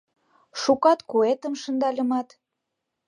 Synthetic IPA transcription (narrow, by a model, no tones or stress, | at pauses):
ʃukɑt̪kuet̪ə̆mʃə̆nd̪ɑlʲə̆mɑt̪